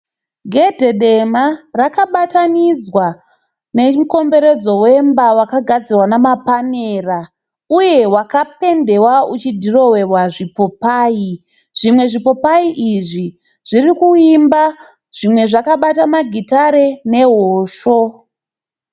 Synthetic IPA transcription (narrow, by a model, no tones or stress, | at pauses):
ɡʱe̞dʱe̞ɗe̞marakaɓatanid͡zwa | ne̞m̩ko̞mbe̞ɾe̞d͡zo̞wembawakaɡʱad͡zirwanamapaneːra | uje̞wakape̞nde̞waut͡ʃidʱiro̞we̞rwaʐipo̞paːji | ʐ̥imwe̞ʐipo̞paiʔiʐi | ʐ̥irikuimba | ʐ̥imwe̞ʐakaɓatamaɡʱitaɾe̞ne̞ɦoːʃo̞